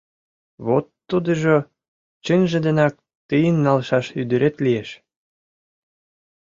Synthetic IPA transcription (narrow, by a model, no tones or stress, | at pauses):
βot̪ːud̪ə̆ʒo | t͡ɕənʒə̆d̪ə̆nɑk̚ | t̪ɨjənːɑlʃɑʃyd̪əɾet̪lijeʃ